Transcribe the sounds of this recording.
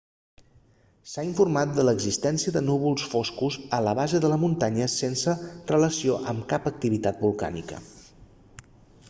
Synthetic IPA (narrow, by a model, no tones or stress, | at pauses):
saiɱfurmat̪̚d̪ələɡzist̪ɛnsiəðənuβ̞ulˠsfoskuzələβ̞azəðələmunt̪aɲəsensərələsioʔəmkapək̚t̪iβit̪at̪̚bulˠka̰nḭkə̰